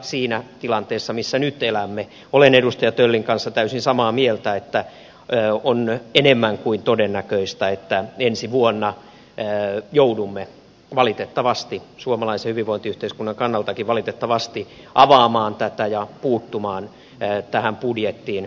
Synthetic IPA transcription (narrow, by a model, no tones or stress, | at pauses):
siːnæt̪ilɑnt̪eːsːɑmisːænyt̪elæmːe | olenedust̪ɑjɑt̪ølːiŋkɑnsːɑt̪æysinsɑmɑːmielt̪æet̪ːæː | onenemːæŋkuint̪odenːækøist̪æet̪ːæensiʋuonːɑː | joudumːe | ʋɑlit̪et̪ːɑʋɑst̪isuomɑlɑisehyʋiʋoint̪iyht̪eiskunːɑŋkɑnːɑlt̪ɑkiʋʋɑlit̪et̪ːɑʋɑst̪i | ʔɑʋɑːmɑːnt̪æt̪æjɑpuːt̪ːumɑːnː | t̪æhæmpudjet̪ːiːn